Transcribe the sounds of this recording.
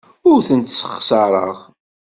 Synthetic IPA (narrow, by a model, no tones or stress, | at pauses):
ʊɾθənt̪sə̥χsɑɾˤə̰ʁ